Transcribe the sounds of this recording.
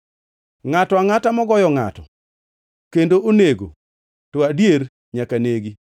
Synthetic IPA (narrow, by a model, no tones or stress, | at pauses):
ŋatɔaŋatamɔɡɔjɔŋa̰tɔ̰ | kendooneɡo̰ | tɔadjeɾ | ɲakaneɡi